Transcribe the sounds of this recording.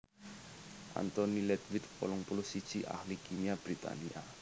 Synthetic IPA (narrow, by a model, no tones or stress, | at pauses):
ʔa̰nt̪ɔnilɛd̪wɪt̪pɔ̰lɔŋpulʊsid̥ʒ̥iʔa̰hlikʰimiab̥ɾit̪a̰nia